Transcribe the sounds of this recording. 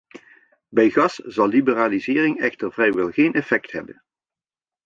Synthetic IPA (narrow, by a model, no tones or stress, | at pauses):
bɛjɣɑsz̥ɑlˠlibəraːlizɪːrɪŋɛxtəɹvrɛjʋɛlˠɣeːnɛfɛktɦɛbə̰n